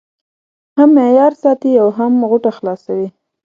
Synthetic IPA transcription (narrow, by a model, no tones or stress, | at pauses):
hamːejɑɾsɑt̪iawɦamɣʊʈaxlɑsawi